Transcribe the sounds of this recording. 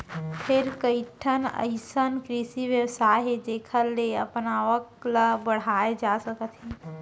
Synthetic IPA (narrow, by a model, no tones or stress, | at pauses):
pʰɪɾkəiʈʰənə̰ɪsənkɾisiʋjəwsaːɦed͡ʒeːkʰəɾːeə̰pnaʋəkləbəɽ̤aːed͡ʒasəkət̪ɦɛ̃ː